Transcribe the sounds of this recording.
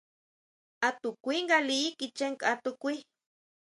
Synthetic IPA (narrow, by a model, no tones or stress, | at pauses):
at̪ukʷiŋɡaliikit͡ʃeŋkat̪ukʷi